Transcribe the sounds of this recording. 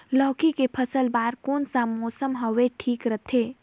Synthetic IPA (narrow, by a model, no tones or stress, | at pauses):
lɔːkikepʰəsəlbaːɾkoːnsamɔːsəmɦɔʋeʈʰiːkɾɐt̪ʰeː